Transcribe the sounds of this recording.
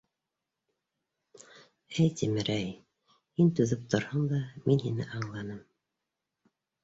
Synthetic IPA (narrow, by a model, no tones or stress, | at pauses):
æjt̪imɘɾæj | hint̪ʉðɘp̚t̪ŏɾhɤɴd̪ɑminɦinɘ̰ʔɑɴlˠɑnɤm